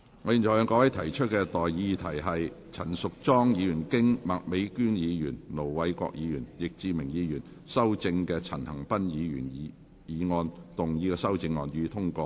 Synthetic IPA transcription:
ŋɔː˨˧ji˨˩nt͡sʰɔ˨˩jœː˧ŋkɔː˧wɐ˨˥jt̪ʰɐ˨˩jt͡ʃʰɵ˥t̚kɛ˧t̪ɔː˨jjiː˨˧t̪ʰɐ˨˩jɦɐ˨j | t͡sʰɐ˨˩nsʊ˨k̚t͡sɔː˥ŋjiː˧jyː˨˩nkɪ˥ŋma˨k̚me˨˧jkyː˥njiː˨˧jyː˨˩nlo˨˩wwɐ˨˥jkɔ̰ː˧k̚jiː˨˧jyː˨˩njɪ˨k̚t͡siː˧mɪ˨˩ŋjiː˨˧jyː˨˩n | sɐ˥wt͡sɪ˧ŋkɛː˧t͡sʰɐ˨˩nhɐ˨˩ŋpɐ˥njiː˨˧jyː˨˩n˨˧ | jiː˨˧ŋɔː˧nt̪ʊ˨ŋjiː˨˧kɛː˧sɐ˥wt͡sɪ˧ŋːɔː˧njyː˨˧t̪ʰʊ˥ŋkɔː˧

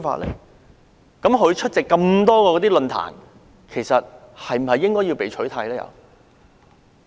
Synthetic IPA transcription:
fa̰ː˧tlɛ̰ː˥˩j | kɐ˨˥mɦɵ˨˧ɥt͡ʃʰɵ˥t̚t͡sɛ˨kːɐ˧mt̪ɔː˥kɔː˧kɔ˨˧t̪iː˥lɵ˧nt̪ʰa̰ː˨˩n | kʰe˨˩jsɐ˨t̚ | hɐ˨jm̩˨˩hɐ˨jːɪ˥ŋkɔː˥jiː˧wpe˨˩jt͡ʃʰɵ˨˥jt̪ʰɐ˧jlɛː˥jɐ̰˨˧

